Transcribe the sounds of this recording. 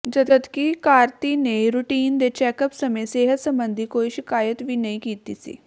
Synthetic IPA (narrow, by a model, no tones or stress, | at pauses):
d͡ʒəd̪ət̪kiːkaːɾt̪iːneːɾuːʈiːnd̪eːt͡ʃɛːkəpsəmẽːseːɦət̪səmbənd̪ʱiːkoːiːʃɪkaːjət̪ʋiːnəĩːkiːt̪iːsḭː